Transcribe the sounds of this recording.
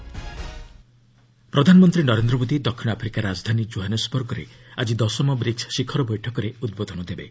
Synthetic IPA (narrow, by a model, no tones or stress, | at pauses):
pɾɔd̪ʱanɔmɔnt̪ɾinɔɾend̪ɾɔbod̪id̪ɔkʰːinɔapʰɾikaɾad͡ʒd̪ʱanid͡ʒoɦanesbɔɾɡɔɾḛad͡ʒid̪ɔsɔmɔbɾit͡ʃʰsikʰɔɾɔbɔjʈʰɔkɔɾeud̪̚bod̪ʱɔnɔd̪ebḛ